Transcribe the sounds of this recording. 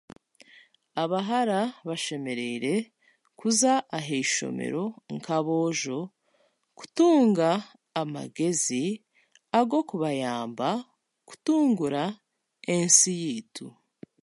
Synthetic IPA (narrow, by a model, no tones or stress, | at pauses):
aβaɦaɾaβaʃe̞me̞ɾe̞iɾe̞ | kuzaːɦeiʃo̰me̞̰ɾo̞ŋkaβo̞ːʒo̞ | ku̥tuːŋɡaː | ma̰ɡe̞zi | aɡo̞kuβajaːmba | ku̥tuːŋɡuɾa | ensijiːtʰu